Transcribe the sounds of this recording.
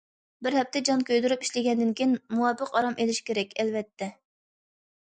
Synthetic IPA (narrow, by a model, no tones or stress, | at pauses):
bɪɾɦɛp̚t̪ʰɛd͡ʒɑnkʲʰøjd̪yɾypi̥ʃlɪɡʲɛnd̪ɪnkʲijnmuwɑpːəqɑɾɑmʔelɪʃkʲʰeɾɛkʲʰɛlvɛt̪ʰːɛ